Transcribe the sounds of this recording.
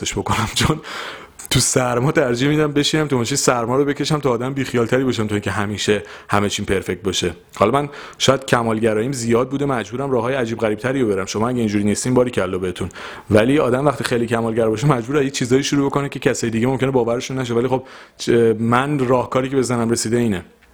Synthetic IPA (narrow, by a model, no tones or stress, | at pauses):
eʃbo̞konæmt͡ʃʰon | t̪ʰusæɾmɒːt̪ʰæɾd͡ʒiːhmiːd̪æmbe̞ʃiːnæmt̪ʰumoʃisæɾmɒːɾobe̞cʰe̞ʃæmt̪ʰɒːd̪æmbiːxijɒːlt̪ʰæɾiːbɒʃ̬æmt̪ʰuiŋcʰʲeɦæmiːʃehæme̞t͡ʃʰiːnpʰe̞ɾfe̞k̚t̪̚bɒʃe | hɒlɒmæn | ʃɔːjæd̪̥̚cʰæmɒːlɟæɾɒːjiːmzijɒːd̪̚buːd̪emæd͡ʒbuːɾæmrɒːɦɒːjeæd͡ʒiːbɣæɾib̚t̪ʰæɾiːjobe̞ɾæmʃomɒːæɟʲæiːnd͡ʒuɾiːniːst̪iːmbɒːɾiːcʰeælːɒːbehet̪ʰun | væliːɒ̰ːd̪æmvæχt̪iːxejliːcʰæmɒːlɟæɾbɒʃemæd͡ʒbuːɾæet͡ʃʰiːzɒːjiːʃuɾubo̞ko̞necʰe̞cʰæsɒːjed̪iɟemomkʲcʰe̞nebɒːvæɾeʃunːæʃ̬ovælixo̞b | mænrɒːhkʰɒːɾiːcʰebe̞zænæmre̞siːd̪eiːne